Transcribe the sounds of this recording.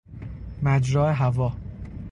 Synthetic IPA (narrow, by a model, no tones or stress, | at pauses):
mæd͡ʒɾɒːeɦævɒː